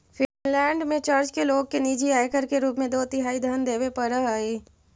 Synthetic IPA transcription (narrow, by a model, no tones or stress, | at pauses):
fʰɪlɛ̃ːɳɖmẽt͡ʃəɾd͡ʒkeloːɡ̚kenid͡ʒiaːekəɾkeɾuːpmẽd̪oːt̪ɪɦaːid̪ʱand̪eːʋepɐɾəɦaːeː